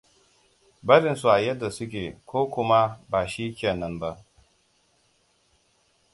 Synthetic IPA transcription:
bɐ˦ɾɪ˨nsu˨ʔa˨jɐ˦dːa˨sʊ˦k̬ʲeː˨kʷoː˦kʷʊ˦ma˦baː˨ʃi˦kʲeː˨nɐ˦mba˦ʔ

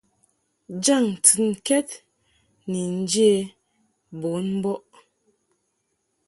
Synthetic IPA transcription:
d͡ʒa˦˨ŋ˨tɨ˨n̩˨kɛ˦t̚ | ni˨n̩˦d͡ʒe˦˨ | bo˨˦nm˦bɔ˦ʔ

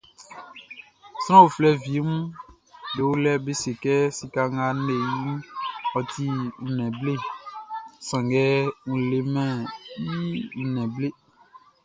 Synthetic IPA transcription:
sɾ̃ɔ̃˦wo˨flɛ˦vi˨˦mũ˦ | de˨wo˦lɛ˦be˦se˨kɛ˦si˨ka˨ŋã˦ne˨ɲũ˦ɔ˨tʰi˦ŋũ˨nɛ̃˨ble˦ | sã˨ŋɡɛ˦ŋũ˨le˨mɛ̃˦˨ji˦ŋ̩̃˨nɛ̃˨ble˦

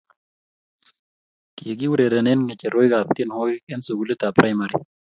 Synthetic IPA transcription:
ke˨ɡi˦wu˦ɾe˨ɾe˨ne˦nŋe˨t͡ʃe˨ɾo˦jɡaːp̚t̪i˦nho˦ɡi˦kʼe˦nso˨ɡu˦li˦t̪a˨pɾa˦jmaɾi˨

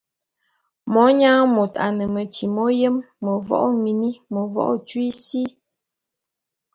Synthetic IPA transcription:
mɔ˨˦ɲa˦mo˨ta̰˨nə˨mə˨ti˨mɔ˦jə˦mːə˨vɔ̰˦ʔmi˨ni˦mə˨vɔ̰˦ʔt͡ʃwi˦si˦

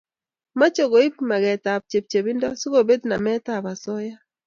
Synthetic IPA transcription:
ma˦t͡ʃo˨ɡo˨i˦pma˨ɡɛ˨ta˨p̚t͡ʃe˨p̚t͡ʃe˨bi˦ndɔ˦su˦ko˦˨be˦d̪na˨mɛ˦ta˦˨ba˨sɔ˦ja˦

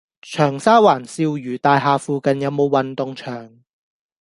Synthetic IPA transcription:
t͡ʃʰœː˨˩ŋsaː˥waː˨˩nsiː˧wjyː˨˩t̪aː˨˧jɦaː˨˧fuː˨˧kɐ˨njɐ˨˧wmo˨˧wwɐ˨nt̪ʊ˨˧ŋt͡ʃʰœː˨˩ŋ

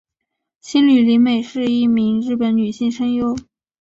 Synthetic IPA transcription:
ɕi˥nly˨˩li˧˥nme˨˩ɪʂɻ̩˥˧i˥˩mi˧˥ŋɻɻ̩˥˩pə˧˥nny˨˩ɕi˥˩ŋʂɤ˥ŋjo˥ʊ

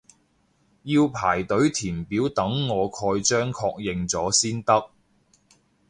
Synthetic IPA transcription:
jiː˧wpʰaː˨˩jt̪ɵ˨˥ɥt̪ʰiː˨˩mpiː˨˥wt̪ɐ˨˥ŋːɔː˨˧kʰɔː˧jt͡ʃœː˥ŋkʰɔː˧k̚jɪ˨˧ŋt͡sɔː˨˥siː˥nt̪ɐ˥k̚

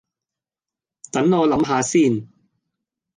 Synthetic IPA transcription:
t̪ɐ˨˥nɔː˨˧lɐ˨˥mɦaː˨˧siː˥˩n

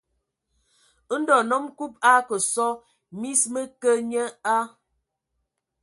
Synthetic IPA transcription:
ə˦n̩˦dɔ˨nɔ˦mku˦p̚a˦kə˨sɔ˦ | mi˦smə˦kə˦ɲə˦a˦

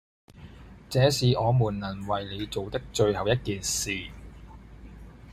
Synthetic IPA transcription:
t͡sɛː˨˧siː˨ʔɔː˨˧muː˨˩nlɐ˨˩nwɐ˨jle˨˧jt͡so˨wt̪ɐ˥k̚t͡ʃɵ˧ɥhɐ˨wjɐ˥t̚kiː˨nsiː˨

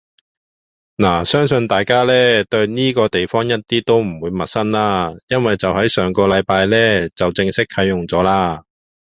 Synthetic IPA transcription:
naː˨˩sœː˥ŋsɵ˧nt̪aː˨˩jkaː˥lɛː˥t̪ɵ˧ɥniː˥kɔː˧t̪e˨jfɔː˥ŋjɐ˥t̚t̪iː˥t̪o˥wm̩˨˩wuː˨˧jmɐ˨t̚sɐ˥nlaː˥jɐ˥nwɐ˨jt͡sɐ˨whɐ˨˥jsœː˨˧ŋkɔː˧lɐ˨˧jpaː˧jlɛː˥t͡sɐ˨wt͡sɪ˧ŋsɪ˥k̚kʰɐ˨˥jʊ˨ŋt͡sɔː˨˥laː˧

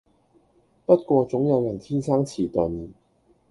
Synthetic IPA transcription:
pɐ˥t̚kʷɔː˧t͡sʊ˨˥ŋjɐ˨˧wjɐ˨˩nt̪ʰiː˥nsaː˥ŋt͡sʰiː˨˩t̪ɵ˨n

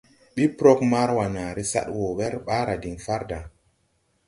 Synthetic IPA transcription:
ɗi˦pɾo˦k̚ma˦ɾwa˨na˨ɾi˦sa̰˦ɗwo˨wɛ˦ɾɓa˦ɾa˨di˨ŋfa˦ɾda˨

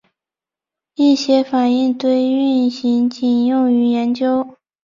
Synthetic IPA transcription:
i˥˩ɕjɛ˧˥fa˨˩ni˥˧ŋt̪we˥˧ɪy˥˩nɕi˧˥ŋt͡ɕi˨˩njʊ˥˩ŋy˧˥jɛ˧˥nt͡ɕjo˥ʊ

